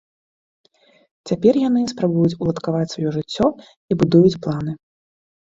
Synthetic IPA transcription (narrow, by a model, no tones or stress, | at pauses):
t͡sʲapʲɛrjan̪ɨspɾabujut͡sʲulˠɐt̪kavat͡sʲsvajɔʐɨt͡sʲːɔ | ibud̪ujut͡sʲplˠanɨ